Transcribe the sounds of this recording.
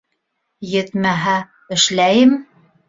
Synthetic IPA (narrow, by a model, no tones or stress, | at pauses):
jɘ̆t̪mæɦæ | ɘ̆ʃlæjɘm